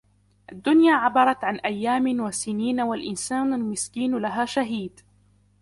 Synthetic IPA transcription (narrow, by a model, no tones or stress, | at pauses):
ʔad̪ːʊnjaːʕɑbɑɾˤɑt̪ʕanʔajːaːmwasɪniːnawalʔɪnsaːnalmɪskiːnlaɦaːʃaɦiːd̪